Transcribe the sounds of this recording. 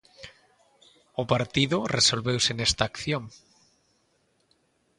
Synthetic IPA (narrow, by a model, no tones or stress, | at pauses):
ʊpaɾt̪iðʊresolβewsenest̪aːkθjoŋ